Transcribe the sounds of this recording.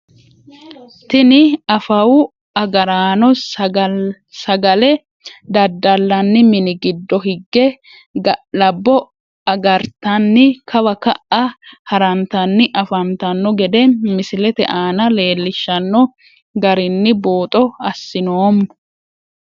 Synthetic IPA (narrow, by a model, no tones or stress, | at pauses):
t̪ɪnɪɐfɐwʊ | ɐɡɐɾaːnɔ | sɐɡɐlɛ | d̪ɐd̪ːɐlːɐnːɪmɪnɪɡɪd̪ːɔɦɪɡːɛ | lɐbːɔ | ɐɡɐɾt̪ɐnːɪkʰɐbɐkɐʔɐhɐɾɐnt̪ɐnːɪʔɐfɐnt̪ɐnːɔɡɛd̪ɛmɪsɪlɛt̪ɛ̰ʔaːnɐle̞ːlːɪʃːɐnːɔ | ɡɐɾɪnːɪboːt̪ʼɔɐsːɪnoːmn